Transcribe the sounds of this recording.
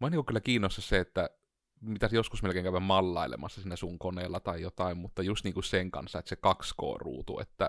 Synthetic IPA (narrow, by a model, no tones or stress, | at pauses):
mɑnːiŋkukkylːækiːnːost̪ːɑsseet̪ːæ | mit̪æsjoskusmelkeːŋkæˑøʋæmmɑlːɑˑilḛmɑsːɑsinːæsuŋkoneːlːɑt̪ɑijot̪ɑimmut̪ːɑjust̪niːŋkusseŋkɑ̰nsːɑet̪æsekɑksko̰ːrṵːt̪ṵḛt̪ːæ̰